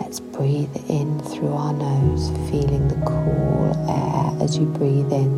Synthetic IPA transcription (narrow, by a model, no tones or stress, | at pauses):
lɛtsb̥ɹiːðɪ̃nθɹʉːaʊənəʊz̥fiːlɪ̃ŋðəkʰṵːlɛ̰ə̰zjəbɹiːðɪ̃n